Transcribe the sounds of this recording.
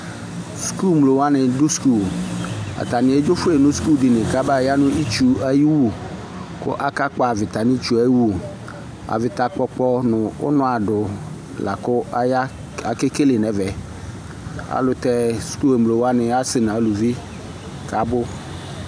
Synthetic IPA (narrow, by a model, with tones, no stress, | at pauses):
sku˦mlo˨wa˦nɪ˨dʊ˦sku˦˨ | a̰˨t̪a˨nɪ̃˨e˦d͡ʒo˦fʊ˦e˨nʊ̃˦sku˦ldɪ˨nɪ̃˨ka˦ba˦˨ja˦nʊ̃˦i˦t͡ʃu˦a˦ji˦wu˦˨ | kʊ̰˦ʔa˦ka˦k͡pa˦˨vɪ˨t̪a˨nĩ˦t͡ʃu˨˦a˦wu˦˨ | a̰˨vɪ˨t̪a˨k͡pɔ˦k͡pɔ˦nʊ̃˨ʊ̰˦nʊ̃˦a˨dʊ˨ | la̰˨kʊ˦ja˦ | a˨ke˦ke˦le˨nɛ˨vɛ˨ | a̰˨lʊ˨t̪ɛ˦sku˦e˨mlo˨wa˦nɪ˨a˦sɪ˨nã˨˦lu˨vi˦ | ka˨˦bʊ˦